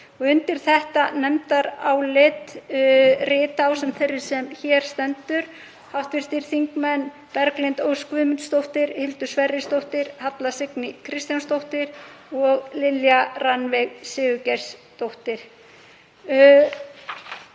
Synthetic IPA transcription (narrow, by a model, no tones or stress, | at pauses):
ɔɣʏnt̪ɪɾ̥θɛht̪anɛmt̪aɾawlɪt̪ | rɪːt̪awsɛmθejrːɪɾ̥sɛmçɛɾ̥st̪ɛnt̪ʏɾ̥ | hawht̪vɪɾ̥t̪ɪɾ̥θiŋkmɛn | pɛɾklɪnt̪owskvʏðmʏnt̪st̪owht̪ɪɾhɪlt̪ʏ̥svɛrːɪst̪owht̪ɪɾhat̪lasɪknɪkʰɾɪst̪janst̪owht̪ɪɾɔɣlɪljaranvɛɣsɪːɣʏcɛɾ̥st̪owht̪ɪɾ̥